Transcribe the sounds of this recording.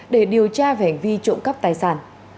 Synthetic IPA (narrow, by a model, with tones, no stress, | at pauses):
ɗe˧˩ɗi˨˩əwt͡ɕaː˧va˧˩ha˨˩ŋ̟vi˧t͡ɕʊ̰˧˥ŋ͡mka˦˥p̚t̪aː˨˩jsaː˧˩n